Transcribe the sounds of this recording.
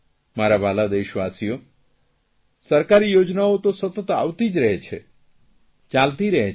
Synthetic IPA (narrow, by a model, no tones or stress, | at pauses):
maɾabalad̪eʃʋasijo | səɾkaɾijod͡ʒnaot̪osət̪ət̪a̰ʋt̪id͡ʒɾəɦet͡ʃʰḛ | t͡ʃalt̪iɾəɦe